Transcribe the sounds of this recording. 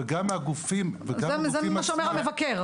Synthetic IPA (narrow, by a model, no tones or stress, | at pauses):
eɡamaɡufimvezɡazezemimaʃeomeʁalmevakeʁ